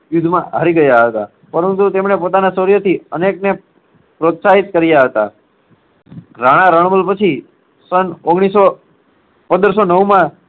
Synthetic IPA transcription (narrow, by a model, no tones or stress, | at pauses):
jʊd̪ʱmãɦaɾiɡəjaɦət̪a̰ | pəɾənt̪ut̪emɳepot̪anasoɾjət̪ʰiənekne | pɾot̪saɦit̪̚kəɾijaɦət̪a̰ | ɾaɽ̃aɾəɳməlpət͡ʃʰi | sənoɡɽ̃iso | pə̃nd̪əɾsonəʋmã